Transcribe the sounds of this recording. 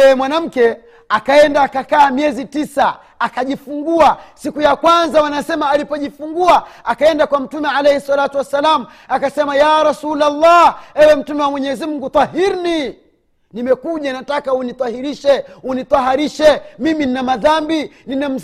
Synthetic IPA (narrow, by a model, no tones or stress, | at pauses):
ɛɛmwanam̩kɛ | akaɛndaːkakaːmiɛzitisa | akaʄifuŋɡuasikujakwanzawanasɛmaːlipɔʄifuŋɡuaakaɛndakwam̩tumɛʕalɛhɛsːalatuwasːalamu | akasɛmajaːɾasulalːaɛwɛm̩tumɛwamwɛɲɛzimuɡut̪ˤɑhiɾni | nimɛkuʄanatakaunit̪ˤɑhiɾiʃɛunit̪ɑɦaɾiʃɛmimininamaðambininam̩